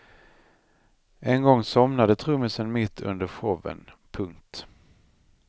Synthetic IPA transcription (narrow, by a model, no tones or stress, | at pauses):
ʔɛnɡɔŋːsɔmnad̪ət̪ʰɾɵməsənmɪt̪ʰːɵ̰nd̪əɾɧɔvə̰npʰɵŋkt̪